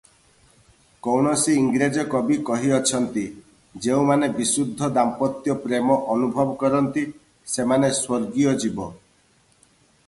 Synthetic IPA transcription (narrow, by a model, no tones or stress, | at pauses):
kownɔsiːŋɡɾed͡ʒɔkɔbikɔɦiɔt͡ʃʰɔnt̪i | d͡ʒeũmanebisud̪ʱːɔd̪ampɔt̪jɔpɾemɔʔɔnubʱɔbɔkɔɾɔnt̪i | semaneswɔɾɡijɔd͡ʒibɔ